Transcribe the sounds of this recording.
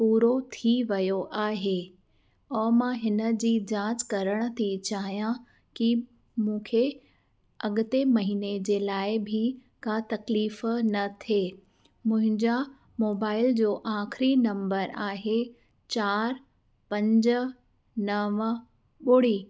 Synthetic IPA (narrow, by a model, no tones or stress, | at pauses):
puːɾot̪ʰiʋɐjoʔaːɦe | ɔːmãɦɪnə̆d͡ʑiːd͡ʑãːt͡ɕkɐɾəɽ̃ə̆t̪ʰit͡ɕaːɦijã | ki | mũːkʰe | ɐɠʊt̪emɐɦiːned͡ʑeːlaːɪbʱi | kat̪ɐkliːfnɐt̪ʰeː | mʊ̃ɦɪ̃ɲd͡ʑa | moːbaːɪld͡ʑoːʔaːxɾinɐ̃mbəɾaːɦe | t͡ɕaːɾ | pɐ̃ɲd͡ʑə̆ | nɐʋ | ɓʊɽ̤iː